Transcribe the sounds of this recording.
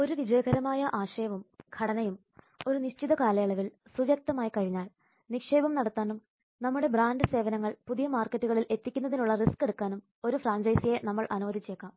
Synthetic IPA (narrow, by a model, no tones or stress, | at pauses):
o̞ɾuʋid͡ʑɐjɐɡɐɾɐmaːjɐʔaːɕɐjɐʋumɡ̥ʰɐɽɐnɐjum | o̞ɾuniɕt͡ɕiðɐkaːlɐjɐɭɐʋilsuʋɐk̚t̪ɐmaːjɐkɐɻiɲːaːɭ | nikʂe̞ːbɐmnɐɽɐt̪ːaːnum | nɐmːuɽe̞braːnɖɨse̞ːʋɐnɐŋːɐɭpuðijɐmaːrkːɐtːuɣɐɭile̞t̪ːikʲːunːɐðinuɭːɐriske̞ɽukːaːnum | o̞ɾufraːɲd͡ʑɐjsije̞nɐmːɐɭʔɐnuʋɐd̪it͡ɕːe̞ːkːaːm